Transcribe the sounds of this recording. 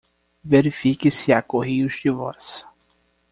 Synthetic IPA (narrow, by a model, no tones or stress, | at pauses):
veɾifikɪsɪakohiʊzd͡ʒɪvɔ̰s